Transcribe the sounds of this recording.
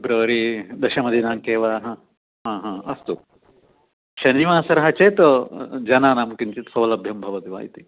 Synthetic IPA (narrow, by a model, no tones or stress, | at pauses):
bɾɐːɐɾid̪ɐʃɐmɐd̪ʱinaːŋkeːʋaɦɐ | ɦãːɦãːɐst̪u | ʃɐniʋaːsɐɾɐɦɐt͡ʃeːt̪ɐd͡ʒɐnaːnaːmkiɲt͡ʃit̪sɐwlɐbʱjɐmbʱɐʋɐt̪iʋa̰ːjit̪i